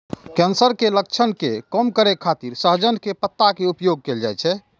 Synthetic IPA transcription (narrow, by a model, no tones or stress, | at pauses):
kɛnsəɾkelək̚t͡ʃʰənkekəmkəɾekʰːat̪iɾsəɦd͡ʒənkepət̪ːakeupjoɡ̚keld͡ʒajt͡ʃʰɛ